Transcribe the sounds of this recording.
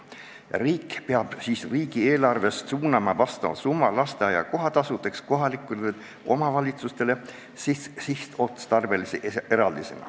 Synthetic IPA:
riːkpeɑb̥siːsriːɡ̥ieːlɑrve̞st̪suːnɑmɑvɑst̪ɑmɑ̰sumːɑlɑst̪eɑjɑ̰ko̞ɦɑt̪ɑsut̪ˑːeksko̞ɦɑlikːˑue | ʔo̞̰mɑvɑlʲit̪sust̪e̞le̞ | sissiht̪ot̪st̪ɑrbe̞lisee̞ɾɑld̪isḛnɑ̰

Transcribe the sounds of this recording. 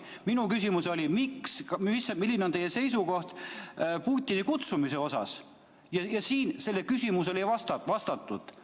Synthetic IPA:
minukysʲimuseo̞lʲimiksmisːɑmilːineo̞nejːe̞se̞js̬uko̞ht̪puːt̪ʲːˑinikut̪sumise̞o̞sɑ̰s | jɑjɑsiːnse̞lːe̞kysʲimuse̞lejvɑst̪ɑvɑst̪ɑt̪ːˑṵd̪̥

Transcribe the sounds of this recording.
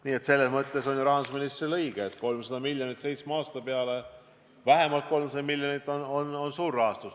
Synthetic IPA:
niːe̞t̪se̞lːe̞smɤt̪ːˑe̞so̞nʲjuɾɑɦɑnsminist̪rilɤjɡ̥eet̪ːko̞lmsɑd̪ɑmilʲjonit̪se̞jt̪smɑːst̪ɑpeɑle̞ | væɦe̞mɑlt̪̚ko̞lmsɑd̪ɑmilʲjonit̪ːˑonono̞nsuːrɑɦɑst̪us

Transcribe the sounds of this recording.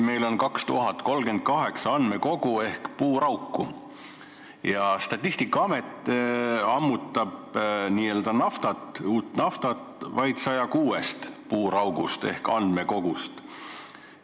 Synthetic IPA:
me̞jlo̞nkɑkst̪uɦɑt̪ːko̞lɡe̞nd̪̥̚kɑɦe̞ksɑɑnd̪̥me̞ko̞ɡ̥ue̞hkpuːɾɑwkːu | jɑst̪ɑt̪ʲˑːist̪ikːˑɑɑme̞t̪ːˑ | ɑmːut̪ːˑɑbniːe̞ld̪̥ɑnɑft̪ɑt̪ˑuːt̪nɑft̪ɑt̪vɑjd̪̥sɑjɑkuːest̪puːɾɑwɡust̪e̞̰hkɑ̰nd̪̥meko̞ɡ̥ust̪

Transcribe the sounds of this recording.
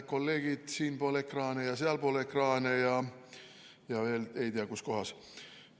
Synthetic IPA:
ko̞lːe̞ːɡ̥id̪̥siːnpo̞ːlekrɑːnejɑseɑlpo̞ːlekrɑːnejɑ | jɑve̞ːle̞jt̪iɑkusko̞ɦɑs

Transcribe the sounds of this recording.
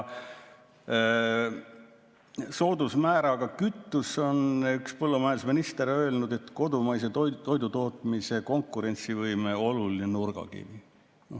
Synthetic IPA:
so̞ːd̪usmæːɾɑɡ̥ɑkyt̪ːuso̞nykspɤlːumæesminist̪e̞ɾø̞ːlnud̪e̞t̪ko̞d̪umɑjs̬e̞t̪t̪o̞jd̪ut̪o̞ːt̪ˑmise̞ko̞ŋkːˑuɾe̞nt̪sivɤjmeo̞lulinenurɡ̥ɑ̰kḭvi | no

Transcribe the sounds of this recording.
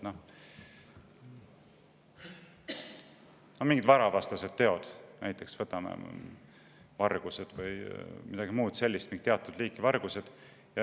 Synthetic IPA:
noh | nomiŋɡid̪vɑɾɑvɑst̪ɑsed̪̥t̪ːe̞o̞d̪̥næjt̪ːˑe̞ksvɤt̪ːˑɑmḛ | vɑrɡ̥used̪̥vɯjmid̪̥ɑɡ̥imuːd̪̥se̞lʲːist̪miŋɡ̥k̚it̪eɑt̪ːˑud̪liːkːˑivɑrɡ̥use̞d̪̥ | jɑ

